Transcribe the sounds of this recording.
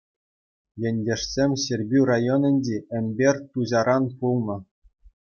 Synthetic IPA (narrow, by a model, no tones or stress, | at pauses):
jɘ̆nʲdʲĕʂsʲemʲɕɘ̆rʲbʲyrajonʲɤ̆nʲdʲeɘ̆nʲbʲerʲt̪uʑɑɾɑnpulˠnɤ̆